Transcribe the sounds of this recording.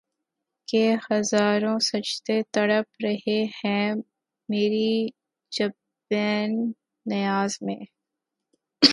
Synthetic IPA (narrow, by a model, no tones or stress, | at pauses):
kehɐzaːɾõsɐt͡ʃt̪et̪ɐɽəpɾɐɦehɛ̃ | meːɾi | d͡ʒɐb | ɛːnː | ɐjaːzmẽː